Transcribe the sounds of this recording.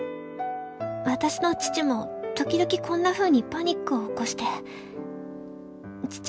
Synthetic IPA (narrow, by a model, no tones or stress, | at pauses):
βat̪aɕino̞t͡ɕi̥t͡ɕimo̞t̪o̞kʲid̪o̞kʲikʰõ̞nːaɸɯ̟ːɲ̟ipaɲ̟ikːɯ̟oːko̞ɕi̥t̪e̞ | t͡ɕi̥